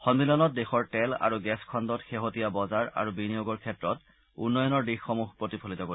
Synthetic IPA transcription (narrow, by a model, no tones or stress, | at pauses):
xɔnbilɔnɔt̚dexɔɹtɛla̰ɹuɡɛskʰɔndɔtxeɦotijabɔzaɹa̰ɹubinijoɡɔɹkʰɛtɹɔt | ṵnːɔjɔnɔɹdixːɔmuxpɹotipʰolitɔko